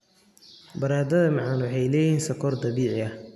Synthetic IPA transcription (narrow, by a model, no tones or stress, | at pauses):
bɐɾaːd̪ɐðɐmɑʕɑnwɑħɑjlɛːjiːnsɐkʰɔːrd̪ɐβiːʕɪɐh